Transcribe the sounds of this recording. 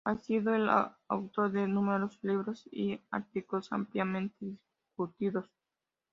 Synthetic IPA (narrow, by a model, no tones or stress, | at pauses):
asiðoela̰a̰wt̪oɾðenũmeɾosliβɾosḭa̰ɾt̪iklosa̰mpljamẽnt̪eðis | kut̪iðos